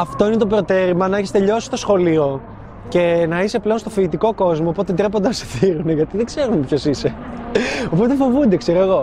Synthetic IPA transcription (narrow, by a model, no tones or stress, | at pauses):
ɐft̪o̞inet̪opɾo̞t̪e̞ɾimɐnɐeçest̪e̞ʎo̞si̥st̪o̞sxo̞lio̞ | ce̞nɐise̞ple̞o̞nst̪o̞fiːt̪ikoko̞zmoːpo̞t̪ed̪ɾe̞p̬ond̪enɐse̥θiɾune̞ʝɐt̪iðeɡze̞ɾunepço̞sise̞ | o̞pot̪e̞fo̞vund̪e̞kseɾoeɣo̞